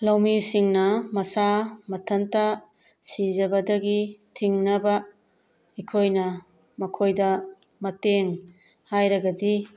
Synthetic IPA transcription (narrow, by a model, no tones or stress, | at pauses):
lawmisiŋnɐmɐsamɐtʰɐntɐ | sizɐbɐdɐɡitʰiŋnɐbɐ | ikʰojnɐ | mɐkʰojdɐ | mɐteŋ | hajɾɐɡɐdi